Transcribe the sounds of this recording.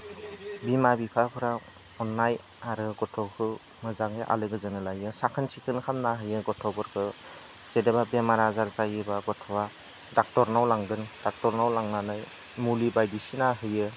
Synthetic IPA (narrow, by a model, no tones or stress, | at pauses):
bimabipʰapʰɯɾa | ɔnːaj | aɾɯɡɔtʰɔkʰɯ | mɯzaŋɯʔa̰lɯɡɯzɯnɯlajɯsakʰɯnsʰikʰɯnkʰamnaɦɯjɯɡɔtʰɔbɔɾkʰɯ | zedebabemaɾazaɾt͡ʃajɯbaɡɔtʰɔwa | dak̚tɔɾnawlaŋɡɯnd̥ak̚tɔɾnawlaŋnanaj | mulibajdisinaɦɯjɯ